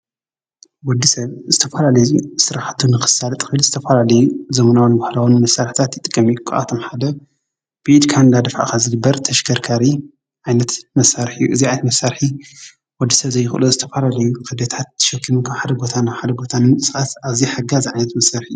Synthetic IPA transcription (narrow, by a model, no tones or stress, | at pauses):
wɔd̪ːisɐβzɨt̪ʰɐfɐlalɐjusɨɾaħt̪ʰːunɨxɨ̥salt̪ʼxɨɨlzɨt̪ʰɐfalalɐjuzɐmɐnawnbahlawunmɐsːaɾħit̪ʰat̪jɪt̪ʼɨkʼːɐmijukʰɨʔa̰t̪ʰo̞mħad̪ɐ | b̥ɨʔid̪kʰand̪ad̪ɐfa̰kazɨɡɨbːɐɾt̪ʰɐʃkʰɐɾkʰaɾi | ʕajnɐt̪mɐsːaɾħijuʔɨziʕajnɐt̪mɐsːaɾħi | wɔd̪ːisɐβzɐjːɪxʔɨlozɨt̪ʰɐfalalɐjukʰɐd̪ɐt̪ʰat̪̚ːʰɨ̥ʃɛkʰːimɨnkʰaħad̪ɐɡo̞t̪ʰanaħad̪ɐɡo̞t̪ʰanɨnsɨxat̪aβziħaɡaziʕajnɐt̪mɐsaɾħijːu